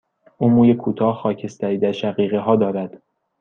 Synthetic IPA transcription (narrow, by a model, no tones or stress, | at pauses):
ʔuːmuːjekʰuːt̪ʰɒːhxɒːcʰe̞st̪ʰæɾiːd̪æɾʃæɣiːɣeɦɒːd̪ɒːɾæd̪̥